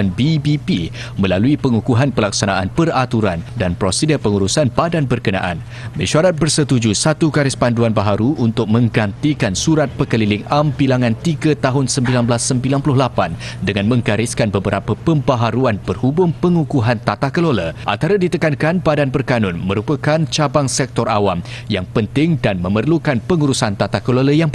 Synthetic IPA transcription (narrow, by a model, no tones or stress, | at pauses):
anbibipi | mə̃laluipəŋukuɦanpəlaksanaʔanpərat̪uɾandanpɾosidapəŋuɾusanpadanbərkənã̰ʔa̰n | mə̃ʃaɾat̪̚bərsət̪ud͡ʒusat̪ukaɾɪspanduanbaɦaɾuʔunt̪ʊk̚mə̃ŋɡant̪ikansuɾat̪̚pəkəlilɪŋampilaŋãnt̪iɡat̪aɦʊnsəmbilanbəlasːəmbilanpulʊhlapandəŋãnmə̃ŋɡaɾɪskanbəbəɾʔapəpəmbaɦaɾuanpərhubʊmpəŋukuɦant̪at̪ahkəloləʔa̰nt̪aɾadit̪əkankanbadanpərkanʊnmə̃ɾupəkant͡ʃabaŋsɛk̚t̪ɔra̰wamjaŋpənt̪ɪŋdanməmərlukanpəŋuɾusant̪at̪ahkəloləjaŋp